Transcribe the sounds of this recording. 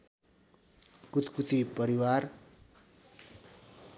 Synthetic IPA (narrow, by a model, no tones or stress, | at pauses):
kut̪kut̪ipʌɾiwar